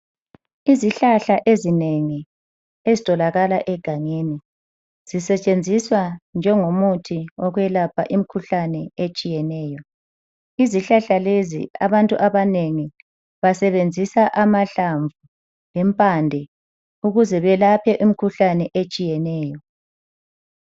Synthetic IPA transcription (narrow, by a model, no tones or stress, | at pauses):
iziɬaɬaʔezineŋi | ezitʼɔlaɣalaʔɛɡ̥ʱaŋeni | z̥isɛt͡ʃʼend͡zʱiswand͡ʒʱɛŋomutʰiɔɣwɛlapʰaʔimikʰuɬanɛet͡ʃʼijɛnɛːjɔ | iziɬaɬalezḭa̰βantʼuʔaβaneŋi | βasɛβend͡zʱisaʔamaɬaɱvu | lɛmpʼandʱɛ | uɣuzɛβɛlapʰɛʔumikʰuɬanɛʔet͡ʃʼijɛnɛːjɔ